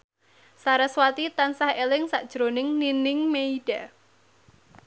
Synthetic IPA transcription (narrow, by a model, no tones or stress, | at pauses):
saɾaswat̪it̪ansahelɪŋsaʔd̥ʒ̥ɾonɪŋninɪŋmeiɖ̥a